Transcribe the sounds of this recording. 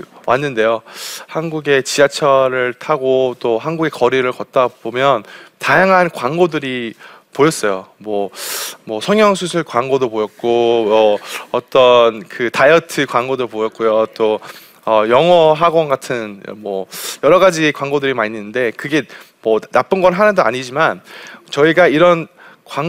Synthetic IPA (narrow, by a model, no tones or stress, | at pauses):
wʔanːɯnde̞johanɡuɡe̞t͡ɕiat͡ɕʰʌɾɯɭtʰaɡot͈oɦanɡuɡe̞kʌɾiɾɯɭkʌt̚t͈abomjʌntajaŋɦankwanɡodɯɾipojʌs͈ʌjomwʌmwʌsʰʌŋjʌŋsʰusʰɯɭkwaŋɡodopojʌt̚k͈omʌʌt͈ʌnkɯtajʌtʰɯkwaŋɡodopojʌt̚k͈ojot͈o | ʌjʌŋʌɦaɡwʌnɡatʰɯnmwʌjʌɾʌɡad͡ʑikwaŋɡodɯɾimaɲːɯnɯnde̞kɯɡe̞ | mʌnap͈ɯnɡʌnɦanandoa̰ɲid͡ʑimant͡ɕʌiɡaiɾʌn | kwaŋ